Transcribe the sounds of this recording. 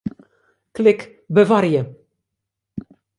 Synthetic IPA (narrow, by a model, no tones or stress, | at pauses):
klɪkː | bəvaɾjɛ